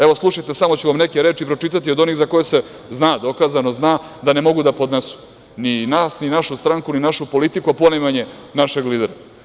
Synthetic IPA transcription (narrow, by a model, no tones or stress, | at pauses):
eʋo̞slˠuʃajt̪e̞samo̞t͡ɕuʋamnekeɾe̞ːt͡ʃipɾot͡ʂit̪at̪iod̪o̞niɣzako̞jese̞ | znaːd̪o̞kaːzano̞znaː | d̪anemo̞ɡud̪apod̪nesu̥ | ninaːsninaʃust̪ɾaŋkuninaʃupo̞lit̪ikuapo̞nemaɲe̞naʃe̞ɡliːd̪eɾa